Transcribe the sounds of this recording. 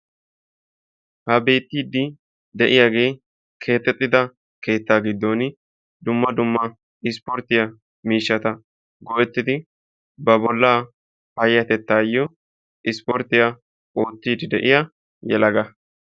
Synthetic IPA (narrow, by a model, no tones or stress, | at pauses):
hɐbe̞ːt̪ːiːd̪ɪ | d̪ɛʔɪjaɡe̞ː | kʰe̞ːt̪ːɛt̪ʼːɪd̪ɐ | ke̞ːt̪ːaːɡɪd̪ːoːn | d̪ʊmːɐd̪ʊmːɐ | ɪspɔɾt̪ːɪjɐ | miːʃːɐt̪ɐ | ɡɔʔɛt̪ːɪd̪ɪ | bɐbɔlːaː | fɐjːɐt̪ɛt̪ːaːjːɔ | ʔɪspɔɾt̪ːɪjɐ | o̞ːt̪ːiːd̪ɪd̪ɛʔɪja | jɛ̰lɐɡɐ